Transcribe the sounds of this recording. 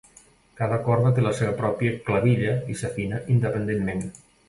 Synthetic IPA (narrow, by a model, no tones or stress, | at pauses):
kaðəkɔɾðət̪̬eləseβəpɾɔpjəklaβiʎəisafinaʔind̪əpənd̪enmen